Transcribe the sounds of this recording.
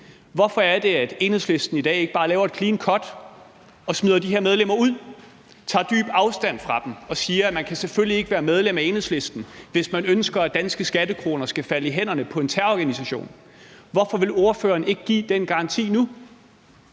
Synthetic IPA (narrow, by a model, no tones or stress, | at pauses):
ʋɒfɒ̽æɐd̥e̝æd̥e̝ːnheðˠsle̝sd̥n̩id̥ɛ̰ːe̝ɡ̥əb̥ɑ̈ːlɛːʊɐe̝d̥̚kʰliːnkʰɒ̽d̥ | ɒ̽smið̞ˠɐdiɦeɐ̰meðˠlemɐuð̰ˠ | t͡sʰɑ̰̈ːd̥y̰ːb̥ɑ̈ʊsd̥æn̰fʁɑ̈d̥m̩ɒ̽siːɐæmænkʰæseføl̰ie̝ɡ̥əʋæːɐmeð̞ˠlemæenhesle̝sd̥n̩ʋe̝smænønsɡ̥ɐæd̥ænsɡ̥əsɡ̥æd̥əkʰʁo̝ːnɐsɡ̥æfæləiɦen̰ɐnəpʰɒ̽e̝nt͡sʰæɐɒɡ̥ænisæɕo̝̰ːn | ʋɒfɒ̽ʋe̝lo̝ɐføːɐːn̩e̝ɡ̥əɡ̥ḭːd̥enɡ̥ɑ̈ɑ̈nt͡sʰḭːnu